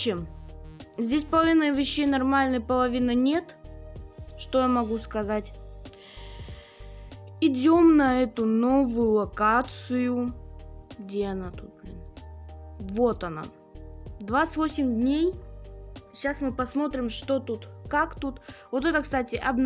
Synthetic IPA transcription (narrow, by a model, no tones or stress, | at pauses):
em | zʲdʲesʲpəlˠɐvʲinɨvʲɪɕːejnɐrmalʲnɨjpəlˠɐvʲinɨnʲe̞t̪ | ʂt̪o̞jamɐɡuskɐzatʲ | ɪdʲo̞mnɐɛt̪ʊno̞vʊjʊlˠɐkat̪sɨjʊ | ɡdʲeɐnat̪ut̪̚blʲḭn | vo̞t̪ɐna̰ | d̪vat̪sɨ̥tʲvosʲɪmʲd̪ʲnʲej | ɕasmɨpɐsmo̞t̪ɾʲɪmʂt̪o̞t̪ut̪kakt̪ut̪vo̞t̪ɛt̪əkst̪atʲɪʔɐbn